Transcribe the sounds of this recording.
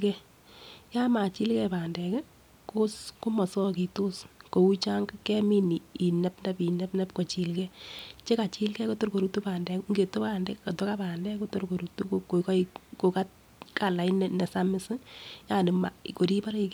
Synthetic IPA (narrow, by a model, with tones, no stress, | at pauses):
kɛ˦ | ja˦ma˨t͡ʃi˦lkɛ˦paː˨ndɛ˨kɛ˦ | ko˦sko˦mɔ˨sɔ˦ki˨to˦sko˨u˦t͡ʃa˦ŋkkɛ˦mi˦ni˨i˨nɛ˦pnda˦pi˨nɛ˦pnɛ˦pko˨t͡ʃi˨lkɛ˦t͡ʃe˦ka˨t͡ʃi˦lkɛ˦ko˦to˦ɾko˨ɾu˦tu˦paː˨ndɛ˨kŋɡe˨to˦pa˨ndɛ˦ka˨to˦ka˦paː˨ndɛ˦ko˦to˦ɾko˨ɾu˨tu˦koko˨kɔ˦iko˨ka˦t̚ | ka˨la˨i˦nɛnɛ˨sa˦mɪ˦sɪ˦ja˦˨nɪ˨ma˨ko˨ɾi˦pa˦ɾi˦k